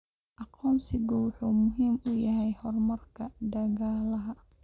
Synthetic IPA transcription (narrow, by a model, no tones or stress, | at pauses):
ʔɑqʰɔːnsɪɡɔwʊħuːmʊɦiːmʊjɐɦɛjhɔrmɐrkʰɐɖ̪ɐɣaːlɐɦɐ